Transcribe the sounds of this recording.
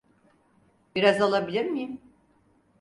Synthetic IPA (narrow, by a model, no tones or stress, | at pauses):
biɾazalˠabilʲiɾmijim